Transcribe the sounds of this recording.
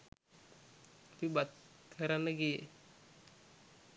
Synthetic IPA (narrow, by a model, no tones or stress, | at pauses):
t̪ĩbat̪kʰəɾanːəɡije